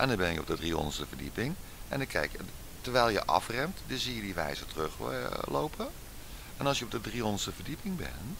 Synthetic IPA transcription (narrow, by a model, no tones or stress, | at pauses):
ʔɛndɔnbɛnjəɔ̰p̚dədriɔ̰ndəstəvərdḭpɪŋʔɛ̰ndəkʰɛ̰jkj | tərʋɛjlˠjə̰ʔɑ̰frɛmtdɪzijədiʋɛ̰jzətrøxlo̰wpʰə | ʔɛnɑlˠsjəɔp̚dədriɔndəstəfərdipɪŋbɛ̰n